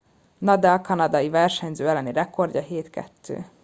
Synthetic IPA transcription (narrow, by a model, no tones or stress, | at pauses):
nɒd̪ɛlkɒnɒd̪ɒjivɛrʃɛɲzøːɛlːɛnirɛko̞rɟɒɦeːt̪kɛ̰t̪ʰːø̰ː